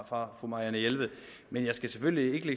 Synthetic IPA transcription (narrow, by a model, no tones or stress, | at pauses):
fʁɑ̈fʁumɑ̈ænəjelʋð̩ˠ | menjɑ̈ɪsɡ̥æseføllie̝ɡ̥əle